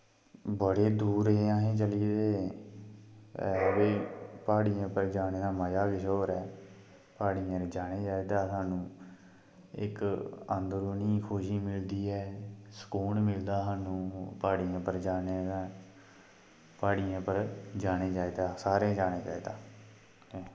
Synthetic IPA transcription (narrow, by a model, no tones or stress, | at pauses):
bəɽeːd̪uːɾɦeːãːɦẽːt͡ʃəliːd̪eː | ɛːbeːpaːɽijãːpəɾd͡ʒaːneːd̪aːməd͡ʒaːkɪʃoːɾɛː | paːɽijãɾed͡ʒaːneːd͡ʒaːiːd̪aːsaːnũː | ɪ̰kənd̪ɾoːniːkʰʊʃiːmɪld̪iːɛːsə̥kuːɳmɪld̪aːsaːnũːpaːɽijãːpəɾd͡ʒaːneːaː | paːɽijãːpəɾd͡ʒaːneːd͡ʒaːeːd̪aːsaːɾẽːd͡ʒaːnẽːkɛ̰ːd̪aː